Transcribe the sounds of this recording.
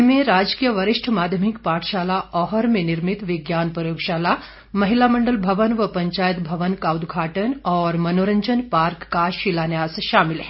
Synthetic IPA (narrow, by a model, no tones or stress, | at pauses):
mẽɾaːd͡ʒkijəʋɐɾiʂʈʰəmaːd̪ʱjəmikpaːʈʃaːlaɔɦəɾmẽniɾmit̪ʋiɡjaːnpɾəjoːɡʃaːla | mɐɦilamɐɳɖəlbʱɐʋənʋəpəɲt͡ʃaːjət̪bʱɐʋənkaːwd̪ɡʱaːʈənɔːɾmɐnoɾəɲd͡ʒənpaːɾkːaʃilaːnjaːsʃaːmilɦɛ